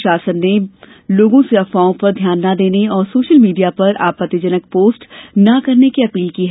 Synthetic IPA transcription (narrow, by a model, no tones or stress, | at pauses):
ʃaːsənːe | loːɡõseɐfaːõpɐɾd̪ʱjaːnːad̪eːneɔːɾsoːʃəlmiːɖijapɐɾa̰ːpət̪ːɪd͡ʒənək̚poːsʈnɐkɐɾnekiɐpiːlkiɦɛ